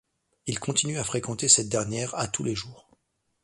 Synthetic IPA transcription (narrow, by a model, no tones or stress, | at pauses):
ilkʰɔ̃t̪inyafχekɑ̃t̪esɛt̪̚d̪ɛʁnjɛʁat̪uleʒuːʁ